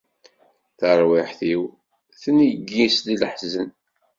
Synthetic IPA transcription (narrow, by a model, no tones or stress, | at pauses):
θəɾˤwɪħθiw | θəniɡːislilħzən